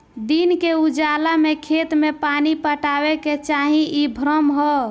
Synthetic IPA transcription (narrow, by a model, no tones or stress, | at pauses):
d̪inkeud͡ʒalamekʰet̪mepanipəʈaweket͡ʃaɦĩʔibʱɾəmɦɔ